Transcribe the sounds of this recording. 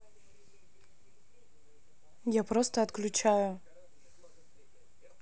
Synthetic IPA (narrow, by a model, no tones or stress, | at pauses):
japɾo̞st̪əɐt̪klʲʊt͡ɕajʊ